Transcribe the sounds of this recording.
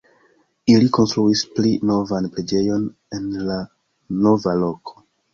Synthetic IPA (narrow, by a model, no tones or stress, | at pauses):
iliko̞nstɾuisplino̞vanpɾe̞d͡ʒe̞jo̞n | e̞nla | no̞valo̞kʰo̥